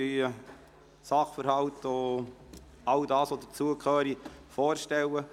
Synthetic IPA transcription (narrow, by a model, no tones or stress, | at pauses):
yː | sɑχfəɾhɑlto | ɑldɑːsod̪ət͡suəkʰøːɾifɔːɾʃtɛwə